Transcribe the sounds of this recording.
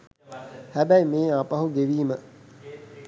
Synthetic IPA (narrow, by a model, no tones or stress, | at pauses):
hæbæjmeːapɐɦuɡeʋiːmə